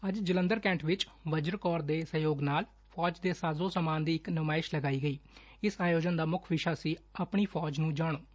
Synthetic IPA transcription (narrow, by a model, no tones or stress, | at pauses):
əd͡ʒd͡ʒələ̃nd̪əɾkɛ̃ːɳʈʋɪt͡ʃ | ʋəd͡ʒəɾkɔːɾd̪eːsəjoːɡnaːl | pʰɔːd͡ʒd̪eːsaːzõːsəmaːnd̪iːɪknʊmaːɪʃləɡaːiːɡəiː | ɪsaːjoːd͡ʒənd̪aːmʊkʰʋɪʃaːsiːaːpɳiːpʰɔːd͡ʒnũːd͡ʒaːɽ̃oː